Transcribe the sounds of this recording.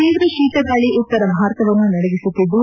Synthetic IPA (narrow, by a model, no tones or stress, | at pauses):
iːʋɾɐʃiːt̪ɐɡaːɭiʔut̪ːɐɾɐɐɦaːɾt̪ɐʋɐnːunɐɽɐʋisut̪ːid̪u